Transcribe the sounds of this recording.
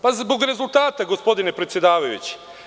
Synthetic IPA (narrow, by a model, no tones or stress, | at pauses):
pazbo̞ɡɾe̞zulˠt̪aːt̪aɡospo̞d̪ine̞pɾet̪sjed̪aːʋajṵt͡ɕi̥